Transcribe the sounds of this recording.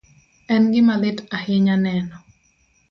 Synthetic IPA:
ɛnɡɪmalɪtahɪɲanɛnɔ

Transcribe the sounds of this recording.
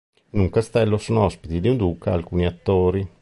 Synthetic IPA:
inuŋkast̪ɛlːosoːnoɔspit̪id̪iund̪uːkaalkuːniat̪ːoːɾi

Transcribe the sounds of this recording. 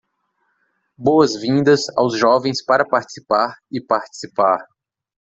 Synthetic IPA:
bowɐzvĩnd̪ɐsa̰wzʒɔvẽj̃spaɾɐpaɾt͡ʃi̥si̥paɾɪpaɾt͡ʃi̥sipaɾ

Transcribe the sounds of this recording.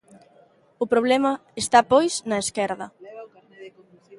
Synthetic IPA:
ʊpɾoβ̞lɛmɐest̪apojsnɐeskɛɾðɐ

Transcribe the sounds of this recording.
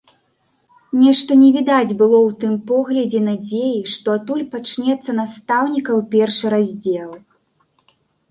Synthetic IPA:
nʲɛʂt̪ɐnʲɛvʲid̪ad͡zʲbɨlˠɔwt̪ɨmpɔɣlʲɐd͡zʲɛnad͡zʲejiʂt̪ɔat̪ulʲpat͡ʂnʲɛt̪sːɐnast̪awnʲikɐwpʲɛrʂɨɾazʲd͡zʲɛlˠ

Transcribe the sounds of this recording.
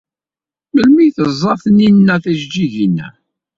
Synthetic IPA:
məlmijθəzˤːɑθninːæθæʒd͡ʒiʝinːæ̰

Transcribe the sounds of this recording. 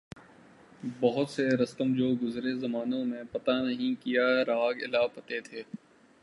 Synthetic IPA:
bɐɦʊt̪seɾɐst̪əmd͡ʒoːɡʊzɾezɐmaːnõmẽpɐt̪anɐɦĩkijaɾaːɡɪ̰laːpɐt̪et̪ʰeː

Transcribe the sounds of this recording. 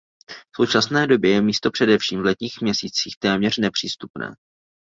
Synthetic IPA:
so̞wt͡ʃasnɛːdo̞bjɛjɛmiːst̪o̞pr̝̥ɛdɛfʃiːmvlɛt̪ɲiːxmɲɛsiːt͡siːxt̪ɛːmɲɛr̝nɛpr̝̥iːst̪upnɛ̰ː

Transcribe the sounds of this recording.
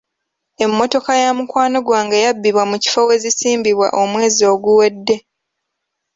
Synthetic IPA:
e̞mːo̞to̞kajamukwaːno̞ɡwaːŋɡejabːiβwamuci̥fowe̞zisiːmbiβwa̰ʔo̞mwe̞ːzio̞ːɡuwe̞dːe̞

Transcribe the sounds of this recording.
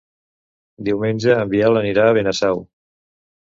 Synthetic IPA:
d̪iwmenʲd͡ʒəːmbialəniɾaːβenəsɛw

